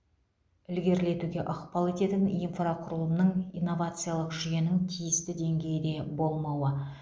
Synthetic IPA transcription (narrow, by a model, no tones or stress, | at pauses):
ɪlɡʲe̞ɾle̞t̪uɡʲe̞ʔʊqpɑlˠe̞t̪e̞t̪ɪninfraqʰʊɾəlˠənəɴijnːo̞vat̪sɨjalˠəqʒije̞nɪŋt̪ʰijɪst̪ɪd̪e̞ŋɡʲe̞jɪd̪e̞bo̞lˠmɑwə